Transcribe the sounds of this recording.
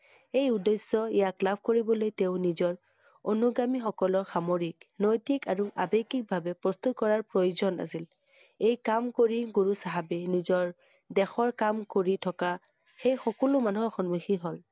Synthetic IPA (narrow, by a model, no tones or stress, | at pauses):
ejudesːɔijaklabʱkoɹibɔlojteʊnizɔɹ | onuɡamixɔkɔlɔɹxamoɹiknɔjtikaɹuʔa̰bekik̚bʱabɛpɹɔst̪ut̚kɔɹaɹpɹojzɔna̰sil | ejkamkoɹiɡuɹusaɦabɛnizɔɹ | dɛxɔɹkamkoɹitʰɔka | xejxɔkɔlʊmanuɦɔxɔnmuxiɦol